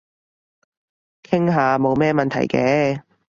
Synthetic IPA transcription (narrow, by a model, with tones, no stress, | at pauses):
kʰɪ˥ŋɦaː˨˧mo˨˧wmɛː˥mɐ˨nt̪ʰɐ̰˨˩jkɛː˨˧